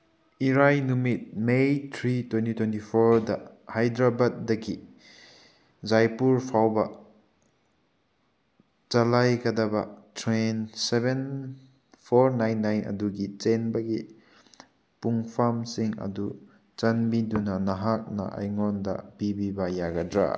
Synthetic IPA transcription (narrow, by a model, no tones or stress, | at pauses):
iɾajnumit̚mejtʰɾitwentitwentipʰoɾdɐhajdɾabɐt̚dɐɡi | zajpuɾpʰawbɐ | t͡ʃalajɡɐdɐbɐ̰tʰɾenseben | pʰoɾnajnːajnʔɐ̰duɡit͡ʃenbɐɡi | puŋpʰamsiŋɐ̰du | t͡ʃɐnmidunɐnɐɦak̚nɐ̰ʔa̰jŋɔndɐ̰bibibɐjaɡɐdɾa̰